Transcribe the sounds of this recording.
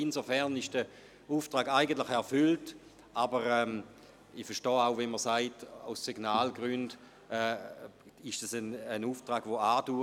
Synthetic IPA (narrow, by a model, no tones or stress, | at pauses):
inzofɛʁnɪʃd̥ə | uːftʁaːɡaɪɡəntlɪχɛʁfʏlt | ʔabəʁɛːm | ifɛɐʃtɔːaʊvɛnməsaɪtaʊsːiɡ̥naːlɡʁynd | ɛː | ɪʃtasənənuːftʁaːɡvoaːduː